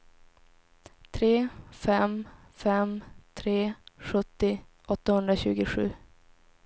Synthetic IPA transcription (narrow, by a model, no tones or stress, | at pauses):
t̪ʰɾeːfɛm | fɛmt̪ʰɾeːɧɵt̪ːɪ | ʔɔt̪ːahɵnd̪ɾaɕʉ̟̰ːɡɪɧʉ̟̰ː